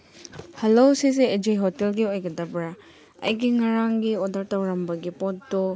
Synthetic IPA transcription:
hɐlosiseːd͡ʒejɦotelɡiojɡɐdɐbɾa | ɐ̰jɡiŋɐɾaŋɡiodɐɾtɐwɾɐmbɐɡipot̚du

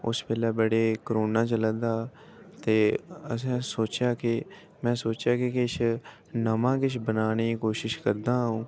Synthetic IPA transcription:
ʊ̰speːlɛːbəɽeːkəɾoːnãːt͡ʃələd̪aː | t̪eːəsɛ̃ːsoːt͡ʃjaːkɪ | mɛ̃ːsoːt͡ʃjaːkɪkɪɪʃʰ | nəmãːkɪt͡ʃʰbənaːniːkoːʃɪʃkəɾd̪aːɦũː

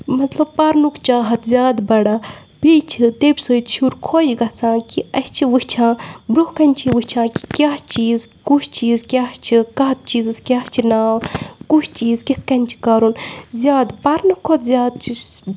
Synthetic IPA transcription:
mɐt̪lɐb̚pɐɾnukt͡ʃaːɦɐt̪ʰzʲjaːd̪bɐɽa | bit͡ʃʰit̪ebʲisət̪ʃʰuɾkʰoːd͡ʒɡɐt͡sʰãːkiɐst͡ʃʰiʋɨt͡ʃʰãːbɾuhkɐnʲt͡ʃʰiʋuhʲt͡ʃʰãːki̥kʲaɦt͡ʃiːzkut͡ʃʰt͡ʃiːzkʲaht͡ʃʰikɐt̪̚t͡ʃiːzɨskʲaːht͡ʃʰinaːkut͡ʃʰt͡ʃiːzkit̪̚ʰkɐnʲt͡ʃʰi̥kɐɾunzʲjaːd̪pɐɾnukʰːot̪zʲjaːd̪̚t͡ʃʰi

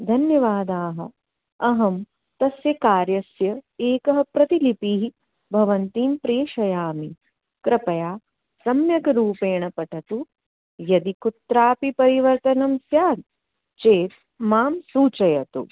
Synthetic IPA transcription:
d̪ʱɐnjɐʋaːd̪aːɦɐ̆ | ɐɦɐm | t̪ɐsjɐkaːɾjɐsjɐeːkɐɦɐpɾɐt̪ilipiɦi | bʱɐʋɐnt̪iːmpɾeːʃɐjaːmi | kɾɐpɐjaː | sɐmjɐkɐɾuːpeːɳɐpɐʈɐt̪u | jɐd̪ikut̪ɾaːpipɐɾiʋɐɾt̪ɐnɐmsjaːd̪̚ | t͡ʃeːt̪̚ | maːmsuːt͡ʃɐjɐt̪ṵ

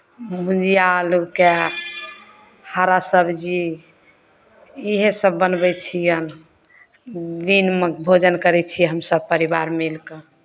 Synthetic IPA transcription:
mud͡ʒijaluke | haɾasəbʱd͡ʒi | iɦesəbːənbɛt͡ʃʰijən | d̪inmebʱod͡ʒənkəɾɛt͡ʃʰijɛɦəmsəbpəɾibaɾmilke

